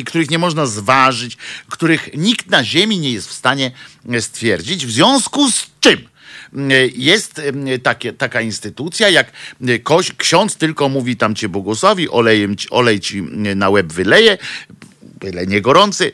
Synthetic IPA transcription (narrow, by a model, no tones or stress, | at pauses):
kt̪uɾɘxɲɛmɔʐnazvaʐɘt͡ɕkt̪uɾɘxɲikt̪naʑemʲiɲɛjɛst̪fst̪aɲɛst̪fʲjɛɾd͡ʑid͡ʑvzvʲjɔ̃w̃skust͡ʂɘm | jɛst̪t̪akʲɛt̪akainst̪ɘt̪ut̪sʲjajakkːɔɕkɕɔ̃nt̪st̪ɘlkɔmuvʲit̪amt͡ɕɛbwɔɡɔswavʲiʔɔlɛjɛmt͡ɕiʔɔlɛjt͡ɕinawɛbvɘlɛjɛ | vɘlɛɲɛɡɔɾɔnt̪sɘ